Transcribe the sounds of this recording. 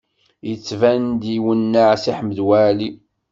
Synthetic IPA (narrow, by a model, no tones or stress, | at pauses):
jət͡sːvænd̪iwənːaʕsiħməd̪wæli